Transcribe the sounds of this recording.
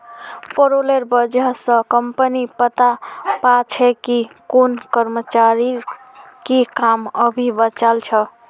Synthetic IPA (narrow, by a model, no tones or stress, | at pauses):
poɾoleɾbəd͡ʒəsə̃kəmpənipət̪apat͡ʃʰɛkikonkəɾmət͡ʃaɾi | kikaməbʱibət͡ʃalt͡ʃʰə